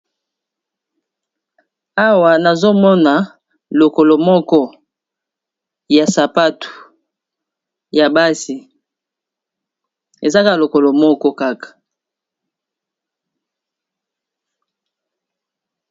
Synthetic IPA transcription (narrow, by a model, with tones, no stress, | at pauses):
a˦wa˨na˨zo˦mɔ˦na˨ | lo˨ko˨lo˨mɔ˦kɔ˦ | ja˨sa˨pa˦tu̥˨ | ja˨ba˦si˨ | e˨za˦ka˦˨lo˨ko˨lo˨mɔ˦kɔ˦ka˦kḁ˨